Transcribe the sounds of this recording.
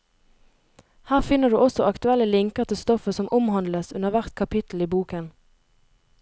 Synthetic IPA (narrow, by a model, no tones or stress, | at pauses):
hæːʁfɪnəʁd̪ʉ̰ːʔɔsɔʔɑkt̪ʉɛlːəlɪŋkəʁt̪əst̪ɔfəsɔmʔʊmhɑnd̪ləsʉnəʁʋæʁt̪kʰɑpɪt̪l̩iːbuːkən